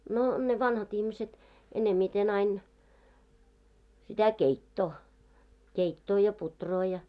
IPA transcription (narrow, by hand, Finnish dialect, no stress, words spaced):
no ne ʋɑnhɑt ihmiset enemːiten ɑin sitæ keitːoː keitːoː jɑ putroː jɑ